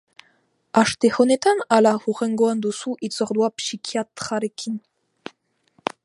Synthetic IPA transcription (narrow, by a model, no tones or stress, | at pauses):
aʃt̪ehonet̪analaɣuʁeŋɡoand̪usuʔit͡soɾd̪uapsikʰiat̪χaɾekʰin